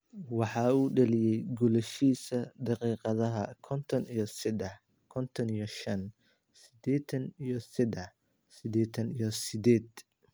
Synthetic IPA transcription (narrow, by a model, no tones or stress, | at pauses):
wɑħɑuːɖɐlɪjɛjɡʊlɛʃiːsɐd̪ɑqiːqɑðɐɦɐkʰɔnt̪ʰɔnijɞsɪd̪ɛħ | kʰɔnt̪ʰɔnijɔʃɐn | sɪd̪ɛːt̪ʰɐnijɔsɪd̪ɛħ | sɪd̪ɛːt̪ʰɐnijɔsɪd̪ɛːd̪̥